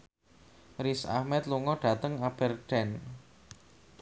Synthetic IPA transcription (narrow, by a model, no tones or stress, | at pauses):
risa̰hmɛt̪luŋɔɖ̥ä̤t̪əŋab̥ɛrɖ̥ɛn